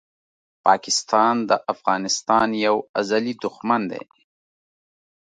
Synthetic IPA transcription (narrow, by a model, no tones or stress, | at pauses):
pɑkɪst̪ʰɑnd̪əʔafɣɑnɪst̪ɑnjawazalid̪ʊxmand̪ḛj